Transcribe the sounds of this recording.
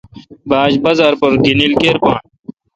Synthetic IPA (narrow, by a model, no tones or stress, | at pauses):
baːd͡ʑbɐzɐɾpɐɾɡinilkeːɾpãːɳ